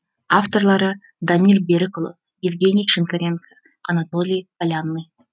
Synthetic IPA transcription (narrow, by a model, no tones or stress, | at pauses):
aft̪o̞rlˠɑɾə | d̪amʲilʲbʲeɾɪkolˠo | jɪvɡʲe̞nʲijʃɨnk̪aɾʲe̞nkʰə̥ | ɐnat̪o̞lʲijpalʲanːɨj